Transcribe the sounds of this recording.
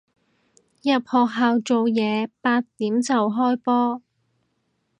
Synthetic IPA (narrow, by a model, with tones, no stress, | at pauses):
jɐ˨p̚hɔː˨˧k̚ɦaː˨wt͡so˨wjɛː˨˧paː˧t̚t̪iː˨˥mt͡sɐ˨wɦɔː˥jpɔː˥